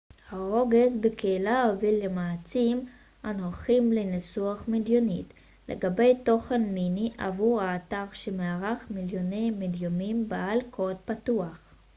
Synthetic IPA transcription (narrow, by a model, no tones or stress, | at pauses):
haʁo̞ɡezbekeilaovilːemaːt͡sim | anhoχimlenesuaχmidjo̞nit | lʔḛɡabe̞jto̞χenminiʔa̰vuʁaːtaʁʃemeaʁaχmiljonejmedjomimbaalkʰod̚patuaχ